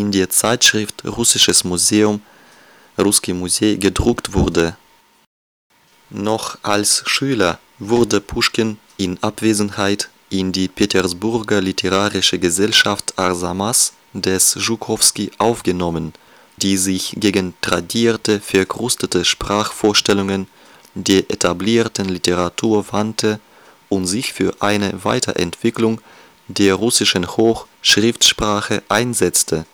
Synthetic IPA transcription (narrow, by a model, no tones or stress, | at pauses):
ɪndeːɐt͡saɪtʃʁ̥ɪftʁʊsɪʃəsmuzeːʊm | ʁʊskimuzeːɡədʁʊktv̥ʊɐdə | nɔχʔalsʃyːlɐ | vʊʁdəpʰuʃkən | ɪnʔapv̥eːzn̩haɪt | ʔɪndiːpʰetʰɛɐsbʊʁɡɐlitʰəʁaːʁɪʃəɡəzɛlʃaftʔaʁzamas | d̥ɛsʒukʰɔfskiʔaʊfɡ̥ənɔmən | diːzɪçɡ̥eːɡən̩d̥ʁ̥adiːɐtəfɛɐkʁ̥ʊstətəʃpʁ̥aːxfoːɐʃtɛlʊŋən | deːɐʔetʰabliːɐtn̩liteʁatʰuːɐvantʰə | ʔʊntz̥ɪçfyːɐʔaɪnəva̰ɪtʰɐ̰ʔɛ̰ntv̥ɪklʊŋ | deːɐʁʊsɪʃən̩hoːxʃʁ̥ɪftʃpʁ̥aːxəʔaɪnzɛt͡stʰə